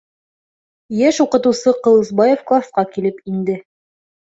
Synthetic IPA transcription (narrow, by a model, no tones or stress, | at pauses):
jæʃuqɤ̆t̪ɤ̆wsɤqɤ̆lˠɤ̆zbɑjefklˠasqɑkilɘpind̪ɘ